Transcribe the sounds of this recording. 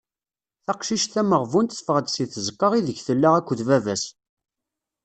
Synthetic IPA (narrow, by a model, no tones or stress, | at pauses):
θɑqʃiʃθæməʁvunt̪sfəʁəd̪siθəzkːəʁiðəçθəlːaʁækʷːðvævæs